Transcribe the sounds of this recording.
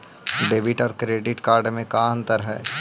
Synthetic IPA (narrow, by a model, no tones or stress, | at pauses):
ɖeːbɪʈɔːɾkɾeːɖɪʈkaːɾɖmẽkaːnt̪əɾɦɛ̰ː